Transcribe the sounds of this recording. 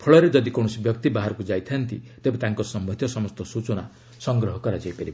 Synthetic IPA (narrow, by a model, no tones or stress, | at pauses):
pʰɔɭɔɾed͡ʒʌd̪ikow̃ɔsibjʌk̚t̪ibaɦaɾɔkud͡ʒajt̪ʰjʌnt̪ḭt̪ebẽt̪ãŋkosʌmʌt̪ʰjɔsʌmɔst̪ɔsut͡ʃɔna | sʌŋɡɾɔɦɔkɔɾad͡ʒajpʌɾi